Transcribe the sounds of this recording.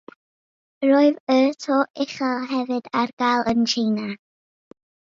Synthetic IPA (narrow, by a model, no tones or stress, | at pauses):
roɨvətʰoːʔɪχaɦɛvɨdarɡ̥alˠənt͡ʃʰijna